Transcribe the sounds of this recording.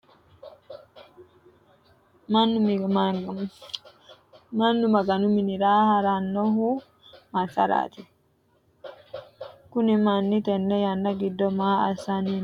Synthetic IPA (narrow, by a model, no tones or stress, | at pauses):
mɐnːʊm | mɐnːumɐɡɐnʊminiɾaːhaɾanːɔɦu | mɐsɐ̰ɾa̰ːt̪i | kʊnimanːit̪ɛnːɛjɐnːɐɡɪd̪ːɔmaːa̰saniːn